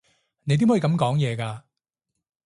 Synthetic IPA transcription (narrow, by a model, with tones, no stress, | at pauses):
ne˨˦jt̪iː˥mhɔ˨˥i˧kɐ˨˧m˧kɔː˨˥ŋjɛː˨˧kaː˧